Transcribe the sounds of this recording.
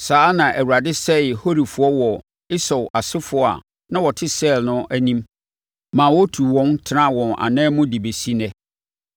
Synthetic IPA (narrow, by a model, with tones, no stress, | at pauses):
saː˨˦nã˨ʔæ˨wu˨ɾa˨dɪ˦sɛ˦ɪ˨ho˦ɾi˨fʊ˨ɔ˦wɔ˨ | ɪ˦sɔ˨wa˨sɪ˦fʊ˦a̰˨ | nã˦wɔ˨tʰɪ˦sɛ˦˨lnʊ̃˦ʔæ˦nĩ˦m | mã˨wɔ˦tʰu˨wɔ̃˦ntʰɪ˦nã˦wɔ̃˨nã̰˨nɛ̃ː˦mʊ̃˦di˨be˨si˦nɛ̃˦